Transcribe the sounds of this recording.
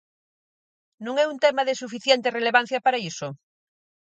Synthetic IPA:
nũŋɛunt̪ɛmaðesufiθjent̪ereleβan̟θjapaɾaiso

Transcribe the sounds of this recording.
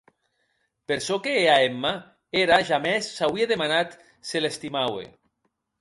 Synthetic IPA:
peɾsɔkeːaemːa | eɾaʒamɛsːawieðemanat̪ | selest̪imawḛ

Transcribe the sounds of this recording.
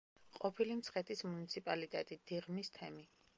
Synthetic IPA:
qʼɔpʰilimt̪sʰχɛt̪ʰismunit̪sʰipʼalit̪ʼɛt̪ʼid̪̥iʁmist̪ʰɛmi

